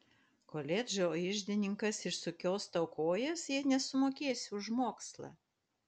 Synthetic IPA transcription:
koːlʲeːd͡ʒʲoːɪʒʲd̪ʲɪnʲɪŋkɐsɪʃsʊkʲoːst̪ɒʊkoːjɛsjiɛnʲɛsʊmoːkʲeːsʲʊʒmoːkslˠɑ̰ː

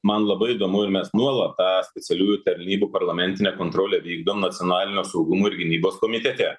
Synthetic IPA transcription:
mɐnlˠɐbɐɪɪd̪oːmʊɪɾmʲɛsnuɔlˠɐt̪t̪ːɑːsʲpʲɛt̪ʲɛlʲuːjuːt̪ɐɾʲnʲiːbuːpɐɾlˠɐmʲɛnʲt̪ʲɪnʲɛːkoːnt̪ɾoːlʲɛːʋʲiːɡd̪oːmnɐt̪sʲɪoːnɑːlʲɪnʲoːsɐʊɡʊmoːɪɾɡʲɪnʲiːboːskoːmʲɪt̪ʲɛt̪ʲɛ

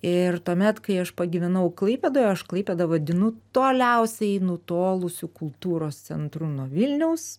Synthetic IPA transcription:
ɪrtt̪uːmʲɛt̪kɐɪɐʃpɐɡʲɪʋʲɛnɐʊklˠɐɪpʲeːd̪oːjɐʃklˠɐɪpʲeːd̪ɐʋɐd̪ʲɪnʊt̪oːlʲɛʊsʲɛɪnʊt̪oːlˠʊsʲʊkʊlˠt̪uːɾoːstt͡ssʲɛ̰nt̪ɾʊnuɔʋʲɪlʲnʲɛʊs

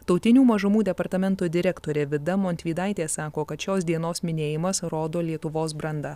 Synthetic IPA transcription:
t̪ɒʊt̪ʲɪnʲuːmɐʒʊmuːd̪ʲɛpɐɾt̪ɐmʲɛnt̪oːd̪ʲɪɾʲɛkt̪oːɾʲɛːʋʲɪd̪ɐmoːnʲt̪ʲʋʲiːd̪ɑɪt̪ʲeːsɑːkoːkɐt̪ʃʲoːsd̪ʲiɛnoːsmʲɪnʲeːjɪmɐsɾoːd̪oːlʲiɛt̪ʊʋoːsbɾɐnd̪ɐ

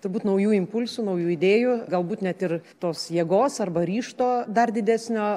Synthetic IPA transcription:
t̪ʊrbuːt̪nɐʊjuːɪmpʊlʲsʊnɐʊjuːɪd̪ʲeːjuɡɐlˠbuːt̪nʲɛt̪ɪrt̪oːsjiɛɡoːsɐrbɐɾʲiːʃt̪oːd̪ɐrd̪ʲɪd̪ʲæːsʲnʲoː

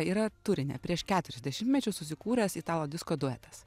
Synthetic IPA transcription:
iːɾɐt̪ʊɾʲɪnʲḛpʲɾʲiɛʃkʲæːt̪ʊɾʲɛzʲd̪ʲɛʃʲɪmt̪ʲmʲɛt͡ʃʲʊsʊsʲɪkuːɾʲɐsiːt̪ɑːlˠoːd̪ʲɪskoːd̪uɛt̪ɐs

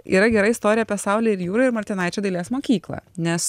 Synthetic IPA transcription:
ḭːɾɐɡʲɛɾɐɪst̪oːɾʲɪjɛpʲɛsɑˑʊlʲeɛɪɾjuːɾɐɪɾmɐɾʲt̪ʲɪnɐɪt͡ʃʲoːd̪ɐɪlʲeːsmoːkʲiːklˠɐ̰ːnʲɛs

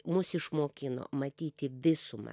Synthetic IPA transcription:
mʊsɪʃmoːkʲɪno̰ːmɐt̪ʲiːt̪ʲɪʋʲɪsʊmɐ̰

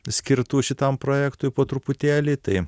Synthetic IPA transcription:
sʲkʲɪɾt̪uːʃʲɪt̪ɐmpɾoːjɛkt̪ʊɪpoːt̪ɾʊpʊt̪ʲæːlʲiːt̪ɐɪ

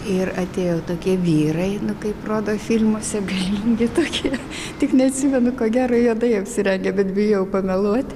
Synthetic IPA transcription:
ɪrɐt̪ʲeːjoːt̪oːkʲiɛʋʲiːɾɐɪnʊkɐɪproːd̪oːfʲɪlʲmoɔsʲɛɡɐlʲiːŋʲɡʲɪt̪oːkʲʰiɛ | t̪ʲɪknʲɛɐt̪ʲsʲɪmʲɛnʊkoːɡʲæːɾɐjuɔd̪ɐɪɐpʲsʲɪɾʲɛŋʲɡʲɛbʲɛt̪bʲɪjjɛʊpɐmʲɛlˠuɔt̪ʲ

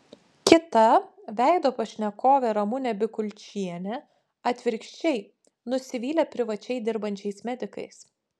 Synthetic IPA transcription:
kʲɪt̪ɐ | ʋʲæˑɪd̪oːpɐʃʲnʲɛkoːʋʲɛɾɐmʊnʲɛbʲɪkʊlʲt͡ʃʲiɛnʲɛ | ɐt̪ʲʋʲɪɾʲkʃʲt͡ʃʲɛɪ | nʊsʲɪʋʲiːlʲɛpʲɾʲɪʋɐt͡ʃʲɛɪd̪ʲɪɾbɐnʲt͡ʃʲɛɪsmʲɛd̪ʲɪkɐ̰ɪs

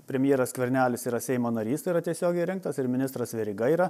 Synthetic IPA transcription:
pʲɾʲɛmʲjeːɾɐskʲʋʲɛɾʲnʲæːlʲɪsiːɾɐsʲɛɪmoːnɐɾʲiːst̪ɐiɾɐt̪ʲiɛsʲoːɡʲɛɪɾʲɪŋk̚t̪ɐsɪɾmʲɪnʲɪst̪ɾɐsʋʲɛɾʲiɡɐiːɾɐ

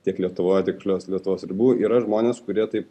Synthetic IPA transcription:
t̪ʲiɛklʲiɛt̪ʊʋoːjɛt̪ʲɪkʃlʲoːslʲiɛt̪ʊʋoːsɾʲɪbʲuːʔiːɾɐʒmoːnʲeːskʊɾʲiɛt̪ɐɪp

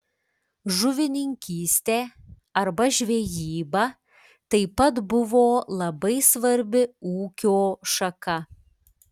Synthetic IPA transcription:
ʒʊʋʲɪnʲɪŋʲkʲiːsʲt̪ʲeː | ɐɾbɐʒʲʋʲɛjiːbɐ | t̪ɐɪpɐt̪bʊʋoːlˠɐbɐɪsʋɐɾʲbʲɪuːkʲoːʃɐkɐ

